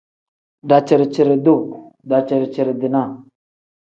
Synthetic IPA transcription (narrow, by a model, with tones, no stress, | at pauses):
da˨t͡ʃi˨ɾt͡ʃi˨ɾə˨du˦˨ | da˨t͡ʃə˨ɾt͡ʃi˨ɾə˨di˨na˦˨